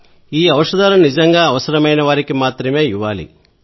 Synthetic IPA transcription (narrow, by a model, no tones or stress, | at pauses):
iːɐʋɐʂɐd̪aːlɐnid͡ʒɐŋɡaːɐʋɐsɐɾɐmɐjnɐʋaːɾikimaːt̪ɾɐme̞ːiʋːaːlḭ